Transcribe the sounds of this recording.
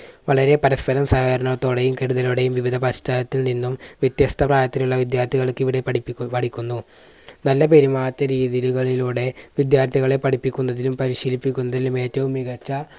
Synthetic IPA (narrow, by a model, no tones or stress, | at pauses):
ʋɐɭɐɾe̞pɐɾɐspɐɾɐmsaːɣɐɾɐnɐt̪oːɽejumkeɾuðɐluɽejumʋiʋid̪ʱɐpɐɕtaːlɐt̪ːilninːumʋjɐt̪jɐst̪ʰɐpraːjɐt̪ːinuɭːɐʋid̪jaːrt̪ʰiɣɐɭkːiʋiɽe̞ɐpɐɽikʲːunːu | nɐlːɐpe̞ɾimaːɐt̪ːɐɾiːðiluɣɐɭiluːɽe̞ʋid̪jaːrt̪ʰiɣɐɭe̞pɐɽipːikʲːunːɐðilumpɐɾiɕiːlipːikʲːunːɐðilume̞ːtːɐʋumːiɣɐt͡ɕːɐ